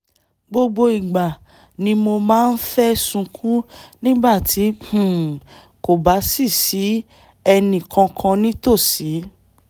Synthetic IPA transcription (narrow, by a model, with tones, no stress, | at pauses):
ɡ͡bo˧ɡ͡bo˧i˨ɡ͡ba˨ | nĩ˨˦mo˧mãː˦˧n̩˦fɛ˦sũ˧kʰũ˦nĩ˦ba˦˨tʰi˨˦h̩˦˨ | ko˨ba˨˦si˦˨si˨˦ | ɛ˧nĩ˨kã˧kʰã˧nĩ˦to˦˨si˨˦